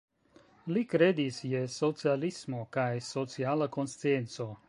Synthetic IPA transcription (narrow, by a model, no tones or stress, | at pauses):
likɾed̪isjɛsɔt̪sialismokajsɔt̪sialˠakonst̪ent̪soː